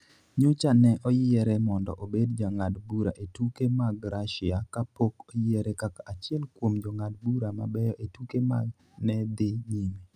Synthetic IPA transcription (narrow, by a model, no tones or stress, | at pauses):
ɲot͡ʃanɛʔɔjɪɛɾɛmɔndɔ̰ʔobedd͡ʒaŋadbuɾaʔetukemaɡɾaʃɪakapokojɪɛɾɛkakaʔat͡ʃɪɛlkwomd͡ʒɔŋad̚buɾama̰bɛjɔʔetukema̰ɡ | nɛd̪ɪɲime